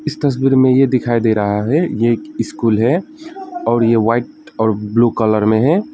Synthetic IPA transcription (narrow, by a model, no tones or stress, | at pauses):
ɪst̪ɐs̬biːɾmẽjed̪ɪkʰaːid̪eɾɐɦaɦɛjekɪskuːlɦɛ | ɔːɾjeʋaːɪʈ̚ | ɔːɾblukələɾmẽɦɛː